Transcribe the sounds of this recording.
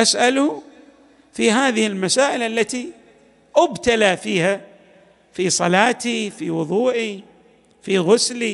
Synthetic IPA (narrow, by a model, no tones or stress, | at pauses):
ʔasʔalu | fiɦaːðɪhɪlmasaːʔɪlʔalːat̪i | ʔʊbt̪alafiːha | fisˤɑlɑːt̪ifiwʊðˤuːʔi | fiɣʊsli